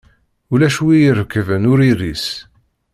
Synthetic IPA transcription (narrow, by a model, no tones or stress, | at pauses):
ulæʃwijəɾəkːvənʊɾiɾis